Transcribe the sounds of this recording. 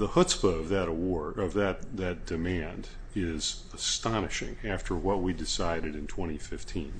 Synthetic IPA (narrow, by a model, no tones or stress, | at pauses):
ðəhʊtspəʌvðɨɾəwɔɹdʌvðɨt̪̚ðɨt̚d̥ɨmæ̃nd | ɪz | əstɑnɨʃɪ̰̃ŋæftʰə˞wʌt̚widɨsaɪɾɨɾɨ̃ntʰw̥ɛ̃ɾ̃ifɪftʰĩn